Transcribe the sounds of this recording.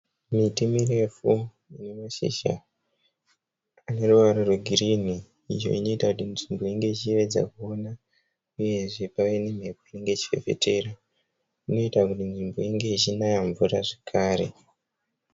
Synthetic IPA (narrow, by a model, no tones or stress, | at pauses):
mitimire̞fu | ine̞maʃḭʃa̰ | ane̞ruʋaɾorweɡʱirini | ḭjo̞̰ino̞itakutinʐimbo̞iŋɡe̞it͡ʃiʋe̞d͡za̰kuo̞na | uje̞ʐe̞paʋe̞nem̤e̞poine̞ŋɡe̞t͡ʃi̥fe̞̰fe̞̰tʰe̞ra | ino̞itakutinʐimbo̞iŋɡe̞it͡ʃinajaɱvuraʐe̥kʰaːɾe̞̰